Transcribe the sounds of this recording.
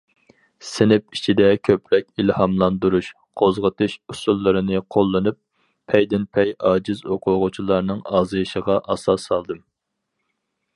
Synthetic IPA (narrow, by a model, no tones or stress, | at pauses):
sɪnɪp̚it͡ʃʰid̪ɛkʲʰøpɾɛk̚ʲilhɑmlˠɑnd̪uɾuʃ | qʰozʁət̪ʰɨʃusulˠːɨɾɨnɨqʰolˠːɨnɨp̚ːʰ | ɛjd̪ɪnpʰɛjɑːd͡ʒɪzoqʰʊʁʊt͡ʃʰilˠɑɾnɨŋɑːzɨjʃəʁɑʔɑsɑsɑlˠd̪ɨm